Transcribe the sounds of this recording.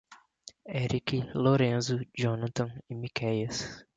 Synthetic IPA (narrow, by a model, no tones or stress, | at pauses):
eɾikiloɾẽzʊd͡ʒõnɐt̪õɪmikɛjɐs